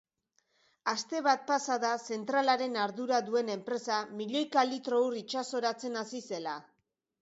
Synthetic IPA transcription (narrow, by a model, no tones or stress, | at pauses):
ast̪e̞βat̪̚pasaðase̞nt̪ɾalaɾe̞naɾðuɾaðue̞ne̞mpɾe̞samiʎe̞jkalit̪ɾo̞urit͡ʃaso̞ɾat͡se̞nasise̞la